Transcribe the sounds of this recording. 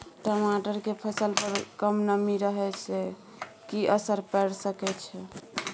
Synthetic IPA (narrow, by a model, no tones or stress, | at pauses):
ʈəmaʈəɾkepʰəsəlpəɾkəmnəmiɾəɦɛt͡ʃʰɛ | kiʔəsəɾpɛɽsəkɛt͡ʃʰɛ